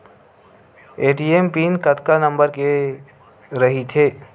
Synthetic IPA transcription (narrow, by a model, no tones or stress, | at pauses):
eːʈiːeːmpiːnkɐt̪kanɐ̃mbəɾke | ɾɐɦit̪ʰeː